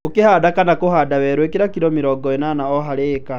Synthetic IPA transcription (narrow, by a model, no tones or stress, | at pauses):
okehadakanakohadawɛɾwekeɾakiɾɔmeɾɔɡɔenanaɔɦaɾeːka